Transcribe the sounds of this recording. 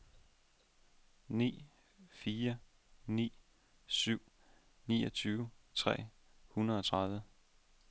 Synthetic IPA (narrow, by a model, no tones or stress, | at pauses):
nḭː | fiːɐ | nḭː | syʊ̰ | nḭːɒt͡sʰyːʊt͡sʰʁɛ̰ː | hunɐðˠɒ̽t͡sʰʁɑ̈ðˠʋə